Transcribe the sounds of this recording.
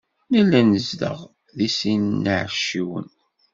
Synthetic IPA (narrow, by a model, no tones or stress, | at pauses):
nilːænəzðə̰ʁ | ðisinːəʕʃiwə̰n